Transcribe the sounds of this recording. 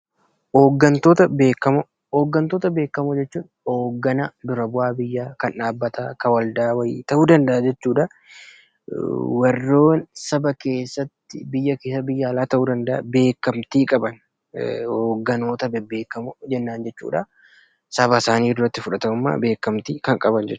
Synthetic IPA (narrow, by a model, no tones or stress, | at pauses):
oːɡːɐnt̪oːt̪ɐbe̞ːkːɐmʊ | oːɡːɐnt̪oːt̪ɐbe̞ːkːɐmʊd͡ʒɛt͡ʃːuːn | oːɡːɐnɐd̪ʊɾɐbʊʔaːbɪjːaːkɐnᶑaːbːɐt̪aːkɐwɐld̪aːwɐj̰ːt̪ɐʔuːd̪ɐnd̪ɐʔɐd͡ʒɛt͡ʃːuːᶑɐ | wɐrːo̞ːnsɐbɐke̞ːsːɐt̪ːɪbɪjːɐkeːsɐbɪjːaːlaːt̪ɐʔuːd̪ɐnd̪ɐʔbe̞ːkːɐmt̪iːkʼɐbɐn | hoːɡːɐno̞ːt̪ɐbɛbe̞ːkːɐmʊd͡ʒɛnːaːnd͡ʒɛt͡ʃːṵːᶑɐ | sɐbɐsaːniːd̪ʊɾːɐt̪ːɪfʊᶑɐt̪ɐʊmːa̰ːbe̞ːkːɐmt̪iːkɐŋkʼɐbɐnd͡ʒɛt͡ʃː